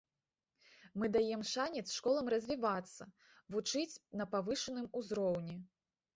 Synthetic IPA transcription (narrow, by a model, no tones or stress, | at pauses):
mɨd̪ajɛmʂanʲɛt̪sʂkɔlˠɐmrɐzʲvʲivat̪sːɐ | vut͡ʂɨt͡sʲnɐpavɨʂɨnɨmuzɾɔwnʲɛ